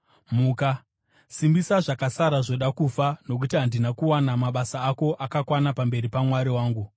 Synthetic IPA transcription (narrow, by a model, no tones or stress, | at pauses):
muːka | simbisaʐakasaɾaʐo̞ɗakufano̞k̬utiɦandinakuwanamaɓasaːko̞ʔakakwanapambe̞ɾipamwaɾiwaːŋɡu